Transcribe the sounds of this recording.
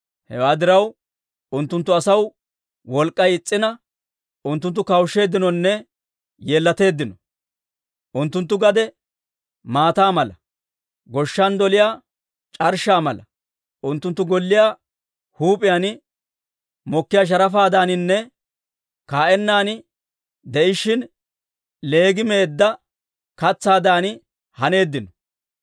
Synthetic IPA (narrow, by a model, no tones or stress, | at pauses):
hɛwaːd̪ɪɾɐw | ʊnt̪ːʊnt̪ːʊɐsɐw | wɔlkʼːɐjɪt͡sʼːɪnɐ | ʊnt̪ːʊnt̪ːʊkɐwʃːe̞ːd̪ːɪnɔnːɛ | je̞ːlːɐt̪e̞ːd̪ːɪnɔ | ʔʊnt̪ːʊnt̪ːʊɡɐd̪ɛ | maːt̪aːmɐlɐ | ɡɔʃːɐnd̪ɔlɪjaː | t͡ʃʼɐɾʃaːmɐlɐ | ʔʊnt̪ːʊnt̪ːʊɡɔlːɪjaː | huːpʼɪjaːn | mɔkːɪjaːʃ̬ɐɾɐfaːd̪aːnɪnːɛ | kaːʔɛnːaːnɪ | d̪ɛʔɪʃːɪn | le̞ːɡɪme̞ːd̪ːɐ | kɐt͡sːaːd̪aːn | hɐne̞ːd̪ːɪnɔ